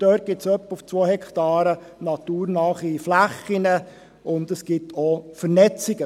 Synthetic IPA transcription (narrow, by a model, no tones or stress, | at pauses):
d̥øːt̚ɡ̥ɪtsœpːuft͡sʋoːhɛkʰt̪ɑːɾə | nɑt̪uːɾnɑːχiflæχːinə | ʊnd̪əsɡ̥ɪtʰofəɾnɛt͡siɡə